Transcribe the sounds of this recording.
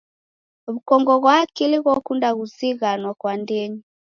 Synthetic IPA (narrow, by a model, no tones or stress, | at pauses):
βukɔŋɡɔɣwaːkiliɣɔkundaɣuziɣanwakwandɛɲi